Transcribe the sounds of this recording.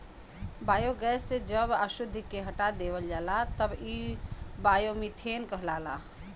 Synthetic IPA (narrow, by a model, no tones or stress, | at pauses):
bajoɡɛsːed͡ʒəbaʃʊd̪ʱːkeɦəʈad̪eʋəld͡ʒaːlat̪əbibajomit̪ʰenkəɦlala